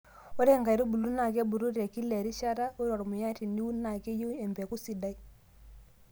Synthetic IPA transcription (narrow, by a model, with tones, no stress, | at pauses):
ɔ˦ɾe˦˨ŋɡa˨ɾu˦bu˨lu˦na˨k̬ɛ˦bu˨ɾu˦ɾɛ˨ki˦lɛ˨ɾi˦ʃa˦ɾa˦ko˦ɾɔ˨ɾmʊ˨ja˦ti˨ni˦u˦na˨ke˦ju˦ɛ˨mbɛ˨ku˦si˨da˦i˦